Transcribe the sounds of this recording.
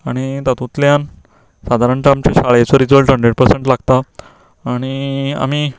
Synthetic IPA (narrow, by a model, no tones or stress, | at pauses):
aɽ̃it̪at̪ũt̪ljan | sad̪ʱaɾəɳʈaamt͡ɕeɕaɭjat͡sɔɾid͡zəɭʈəɳɖɾeɽ̚pəɾseɳʈlaɡt̪aː | ɽ̃ia̰m̤i